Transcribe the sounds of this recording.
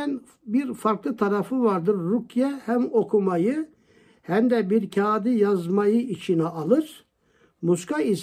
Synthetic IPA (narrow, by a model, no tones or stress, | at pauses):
n | biɾfɑɾklˠɯt̪ʰɑɾɑfɯvɑɾd̪ɯɾːukʰjɛhæmo̞kʰumɑjɯ | hæmd̪ɛbiɾcʰaːd̪ijɑzmɑjɯit͡ʃʰinɛɑlˠɯɾ | muskais